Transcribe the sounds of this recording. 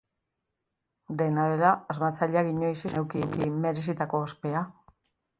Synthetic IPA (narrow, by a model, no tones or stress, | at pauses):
d̪e̞naβe̞ɾaːzmat͡saʎaɣiɲo̞iseewkikime̞ɾe̞s̬it̪akoːspe̞a